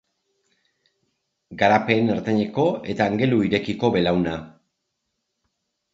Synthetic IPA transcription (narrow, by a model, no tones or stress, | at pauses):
ɡaɾape̞naɾt̪aɲe̞ko̞e̞t̪aːŋɡe̞luiɾe̞kiko̞βe̞lawna